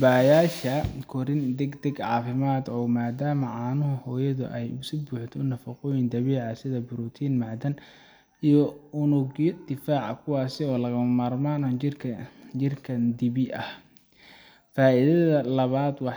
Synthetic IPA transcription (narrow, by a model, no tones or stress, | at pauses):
baːjaːʃɐkʰɔɾɪnd̪ɛɡd̪ɛɡʕɑ̰ːfɪmaːd̪ɔːmaːd̪aːmɐʕɑːnʊɦʊhɔːjɐðʊ̰ʔɛjʊsʊbuːħt̪ʰɔʊnɐfɐqɔjɪnd̪ɐβɛːʕɑsɪðɐbɪɾut̪ʰiːnmɑʕd̪ɐn | ijɔʊnʊɣjɔd̪̥ɪfaːʕɐ̰kʰʊwɑːsɪɔːlɐɣɐmmaːrmaːnɔɪrʰt͡ʃɪrkʰɐnd̪ɪβɪʔɐh | faːʔiðɐðɐlɐβaːd̪wɑħ